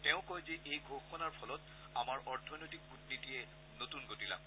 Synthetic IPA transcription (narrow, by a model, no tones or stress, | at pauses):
tɛʊ̃kojzeʔejɡʱoxɔnaɹpʰɔlɔt | amaɹʔɔɹtʰɔnojtik̚utnitijɛ | notunɡotila̰